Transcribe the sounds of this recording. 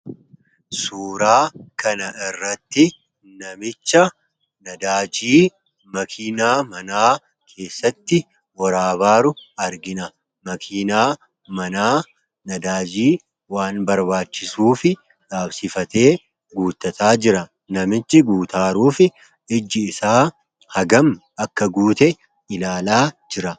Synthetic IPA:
suːɾaːkɐnɐʔɪrːɐt̪ːɪ | nɐmɪt͡ʃːɐ | nɐd̪aːd͡ʒiː | mɐkʰiːnaːmɐnaː | kʰe̞ːsːɐt̪ːɪ | wɐɾaːbaːɾʊɐɾɡɪnɐ | mɐkʰiːnaː | mɐnaː | nɐd̪aːd͡ʒiː | waːnbɐɾbaːt͡ʃːɪsuːfɪ | ᶑaːbsɪfɐt̪e̞ː | ɡuːt̪ːɐt̪aːd͡ʒɪɾɐ | nɐmɪt͡ʃːɪɡuːt̪aːɾuːfɪ | ɪd͡ʒːɪːsaː | hɐɡɐm | ɐkːɐɡuːt̪ɛ | ɪlaːlaːd͡ʒɪɾɐ

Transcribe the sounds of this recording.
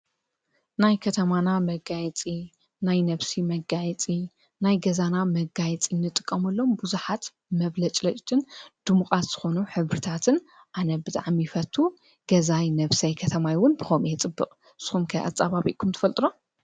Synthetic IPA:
najkʰɐt̪ʰɐmanamɐɡajɛt͡sʼi | najnɐβsimɐɡajɛt͡sʼi | najɡɐzanamɐɡajɛt͡sʼinːɨt̪ʼɨkʼːɐmɐlːo̞mbuzuħat̪ | mɐβlɐt͡ʃʼlɐt͡ʃʼt̪ʰɨnd̪̥ɨmukʼat̪z̥ɨ̥xo̞nuħɨβɾɨt̪ʰat̪ʰɨn | ʔanɐbɨt̪ʼaʕmijɪfɐt̪ʰːu | ɡ̥ɐzajnɐβsɐjkʰɐt̪ʰɐmajwʊnbɨxomjɛt͡sʼɨbːɨχʼ | sɨ̥xumkʰɐʔa̰t͡sʼːaβaβḭʔkʰumt̪ʰɨfɐlt̪ʼɨno

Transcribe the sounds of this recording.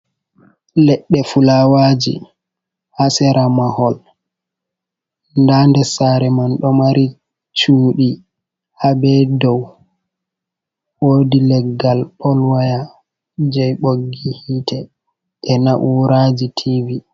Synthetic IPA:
lɛɗːɛfulawad͡ʒḭ | hasɛɾamahɔl | ndaːndɛsaɾɛmanɗɔmaɾʔi | t͡ʃuːɗi | habɛdɔw | woːdilɛɡːalpʰɔlwaja | d͡ʒɛjɓoɡːihiːtʰɛ | ʔɛnaʔuːɾad͡ʒitʰivi

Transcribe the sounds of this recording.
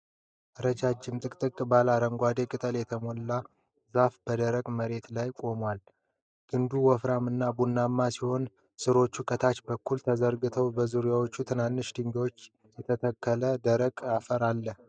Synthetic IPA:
ʔəɾəd͡ʒad͡ʒːɪmt̪ʼɨkʼt̪ʼɨkʼbalaɾəŋɡʷad̪ekʼɨt̪ʼəljɛt̪ʰəmo̞lːa | zafb̥əd̪əɾəɡməɾe̞t̪lajkʼo̞mwal | ɡ̥ɨnd̪uwɔfɾamɨnːabunːamːasiho̞n | sɨɾo̞t͡ʃːukʼət̪ʰat͡ʃbəkːult̪ʰəzəɾɡɨt̪ʰəwbəzuɾijawo̞t͡ʃːut̪ʰɨnanːɨʃd̪ɨɲɡoot͡ʃː | jɛt̪ʰət̪ʰəkʰːələd̪əɾəɡʼafəɾalːəh

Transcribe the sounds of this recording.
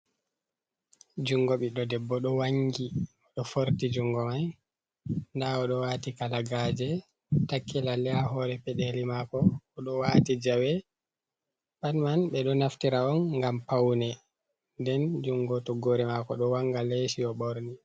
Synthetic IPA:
d͡ʒuŋɡɔɓiɗɔdɛbːɔɗɔwaŋɡiɔɗɔfoɾtid͡ʒuŋɡɔmaj | ndaɔɗɔwaːtikalaɡad͡ʒɛ | takːilalɛahɔɾɛpɛɗelimakɔːɗɔwaːtid͡ʒawɛ | ɓanmanɓɛɗɔnaftiɾaɔnːɡampawnɛ | ndɛnd͡ʒuŋɡɔtɔɡoɾɛmakɔɗɔwaŋɡalesiɔɓoɾni

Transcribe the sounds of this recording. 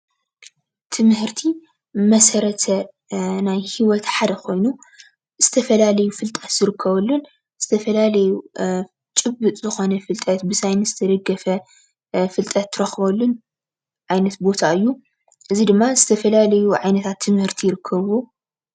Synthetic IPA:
t̪ʰɨmhɨɾt̪ʰi | mɐsɐɾɐt̪ʰɐ | najhiwɔt̪ħad̪ɐkʰo̞jnu | z̥ɨt̪ʰɐfɐlalɐjufɨlt̪ʼɐt̪zɨɾɨkʰːɐβɐlːun | z̥ɨt̪ʰɐfɐlalɐju | t͡ʃʼɨbɨt̪ʼzɨxo̞nɐfɨlt̪ʼɐt̪bɨsajnɨzɨt̪ʰɐd̪ɐɡːɐfɐ | fɨlt̪ʼɐt̪ʰːɨɾɐxβɐlːun | ʕajnɐt̪bo̞t̪ʰaɨjːu | ʔɨzid̪ɨmːazɨt̪ʰɐfɐlalɐjuʕajnɐt̪ʰat̪ʰːɨmhɨɾt̪ʰijɪɾɨkʰːɐβo

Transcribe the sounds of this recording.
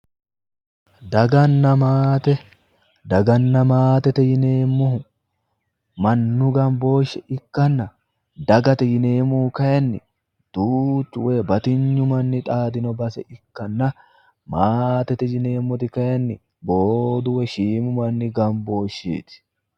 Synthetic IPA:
d̪ɐɡɐnːɐmaːt̪ɛ | d̪ɐɡɐnːɐmaːt̪ɛt̪ɛjɪneːmːʊhʊ | mɐnːʊɡɐmbo̞ːʃːɛɪkːɐnːɐ | d̪ɐɡɐt̪ɛjɪneːmʊkɐjɐnːɪ̰ | d̪̥uːt͡ʃːʊwebɐt̪ɪɲːʊmɐnːɪt̪ʼaːd̪ɪnɔbɐsɛʔɪkːɐnːɐ | maːt̪ɛt̪ɛd͡ʒɪneːmːʊt̪ɪkɐjɐnːɪ | boːd̪ʊwɛʃiːmʊmɐnːɪɡɐmbo̞ːʃḭːt̪ɪ̥

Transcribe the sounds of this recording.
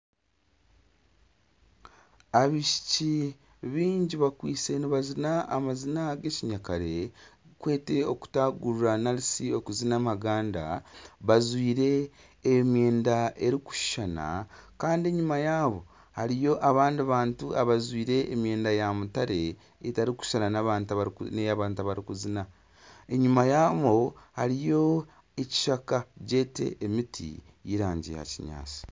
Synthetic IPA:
aβiʃi̥ci | βiːɲɟiβakwiːse̞niβazinaʔamazinaɡe̞ciɲakaɾe̞kwe̞ːte̞o̞ku̥taɡuɾuɾanalisio̞kuzinamaɡaːnda̰βazwiːɾe̞ː | mje̞ːndaʔe̞ɾiku̥ʃu̥ʃana̰kaːndieɲumajaːβo̞ | haɾijo̞ʔaβaːndaβaːntuaβazwiːɾe̞ːmje̞ːndajamutaɾe̞ | etaɾiku̥ʃananaβaːntnejaβaːntaβaɾikuzina | e̞ɲumajaːβo̞haɾijo̞ | eci̥ʃakaɟe̞ːte̞̰ːmitʰḭ | jiɾaːɲɟḭja̰ciɲa̰ːt͡si̥

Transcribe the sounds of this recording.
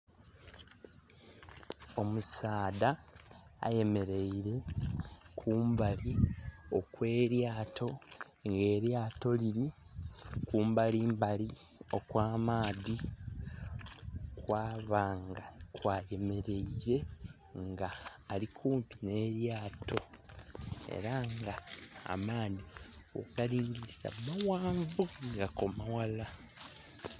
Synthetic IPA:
o̞musaːda̰ː | je̞me̞ɾe̞iɾe̞ | kʰuːmbalio̞kwe̞ːɾjaːtʰo̞ | ŋɡe̞ːɾjaːto̞liɾi | kuːmbaliːmbali | o̞kwaːmaːði | kwaːβaːŋɡakwaːje̞me̞ɾe̞iɾe̞ | ŋɡaːlikʰuːmpine̞ɾjaːtʰo̞ | e̞̰ɾaŋɡa̰ːmaːði | o̰ɡaliːŋɡiɾisa̰mmawaːɱvuŋɡako̞mawala

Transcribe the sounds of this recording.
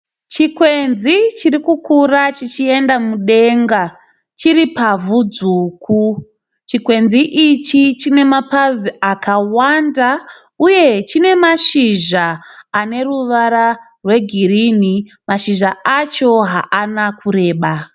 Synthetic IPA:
t͡ʃikwe̞nzit͡ʃirikukurat͡ʃit͡ʃie̞ndamuɗe̞ŋɡa | t͡ʃiɾipavud͡zukʰu | t͡ʃikwe̞nziʔit͡ʃit͡ʃine̞mapaziakawanda | uje̞t͡ʃine̞maʃiʒaːne̞ruʋaɾa | rwe̞ɡʱiɾini | maʃiʒaat͡ʃo̞ɦa̰ʔanakuɾe̞ːɓa

